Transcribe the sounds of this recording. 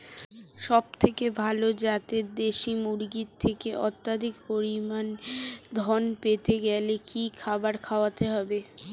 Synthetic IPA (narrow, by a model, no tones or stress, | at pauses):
ʃɔb̚t̪ʰekebʱalod͡ʑat̪ed̪eʃimuɾɡitt̪ʰːekeʔɔt̪ːad̪ʱikpoɾimand̪ʱɔnpet̪eɡɛlekikʰabaɾkʰaoat̪eɦɔbe